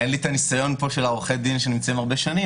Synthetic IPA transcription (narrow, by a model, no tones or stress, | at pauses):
enlit̪anisajo̞npo̞ʃelaoʁχed̪inʃenimt͡saimaʁbeʃani